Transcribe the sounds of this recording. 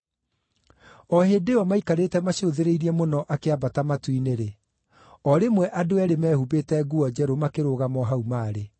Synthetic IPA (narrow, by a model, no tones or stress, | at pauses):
ɔhedeɔmaikaɾeːtɛmaɕoðeɾeiɾiɛmonɔʔakeabatamatwineɾe | ɔɾemwɛʔadoɛɾemɛːhubetɛɡuɔd͡ʑɛɾomakeɾoɣamɔɦaumaːɾe